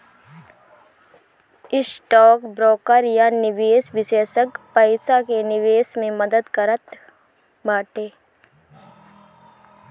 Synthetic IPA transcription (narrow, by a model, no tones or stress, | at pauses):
ɪsʈɔːkbɾɔːkəɾjanɪʋeːsʋɪʃeːsəkpəɪsakenɪʋeːsmẽməd̪əd̪kəɾət̪ | baːʈeː